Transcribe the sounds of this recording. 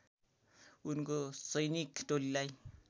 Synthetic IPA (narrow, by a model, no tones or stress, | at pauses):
unkosʌjnikʈolilaj